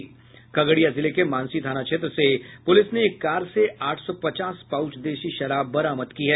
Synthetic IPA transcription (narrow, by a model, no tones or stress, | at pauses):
kɐɡɽijazɪlekemãːnsit̪ʰaːnakʃeːt̪ɾəsepʊlɪsneːkːaːɾseʔaːʈʰsɔpɐt͡ʃaːspaːʊt͡ʃd̪eːʃiʃɐɾaːbːɐɾaːməd̪kiɦɛː